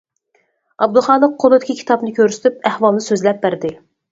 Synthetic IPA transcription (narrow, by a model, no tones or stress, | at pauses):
ɑb̚d̪ʊχɑːlˠəq̚qʰːolˠɨd̪ɪkʲʰikʰʲi̥t̪ɑpnɨkʲʰøɾsɪ̥t̪ypæhwɑlˠnɨsøzlɛp̚bæɾd̪ɪ